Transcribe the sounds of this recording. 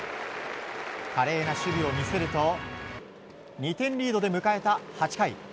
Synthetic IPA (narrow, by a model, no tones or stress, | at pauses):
kaɾe̞ːnaɕɨɾʲio̞mʲisɨɾɯ̟t̪o̞ | ɲ̟it̪ẽ̞ɲɾʲiːd̪o̞d̪e̞mɯ̟kae̞t̪ahat͡ɕi̥kaḭ